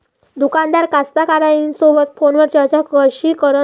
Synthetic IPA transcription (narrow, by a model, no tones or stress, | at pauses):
d̪ukand̪aɾkast̪akaɾainsobət̪̚fonʋəɾt͡ɕət͡ɕakəɕikəɾə